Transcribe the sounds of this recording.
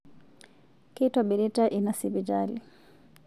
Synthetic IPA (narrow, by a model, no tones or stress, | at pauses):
kitaɓiɾitaʔinasibid͡ʒalḭ